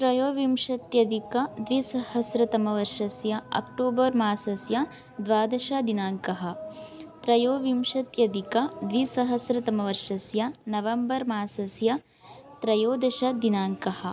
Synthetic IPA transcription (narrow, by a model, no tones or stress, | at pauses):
t̪ɾɐjoːʋimʃɐt̪jɐd̪ikɐd̪ʋisɐhɐsɾɐt̪ɐmɐʋɐɾʂɐsjɐɐ̰k̚ʈoːbɐɾmaːsɐsjɐ | d̪ʋaːd̪ɐʃɐd̪inaːŋkɐɦɐ̆t̪ɾɐjoːʋimʃɐt̪jɐd̪ikɐd̪ʋisɐɦɐsɾɐt̪ɐmɐʋɐɾʂɐsjɐnɐʋɐmbɐɾmaːsɐsjɐ | t̪ɾɐjoːd̪ɐʃɐd̪inaːŋkɐhɐ